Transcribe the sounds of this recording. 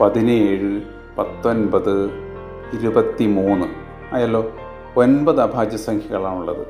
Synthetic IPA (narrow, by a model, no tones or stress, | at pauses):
pɐðinɨeːɻɨ | pɐt̪ːo̞nbɐðɨ | iɾubɐt̪ːimuːnːɨ | ɐjaːlːo̞ː | onbɐðɨɐbʱaːd͡ʑjɐsɐŋkʰjɐɣɐɭaːnuɭːɐ̰ðɨ̰